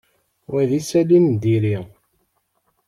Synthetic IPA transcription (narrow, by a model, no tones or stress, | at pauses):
wæðisælind̪iɾi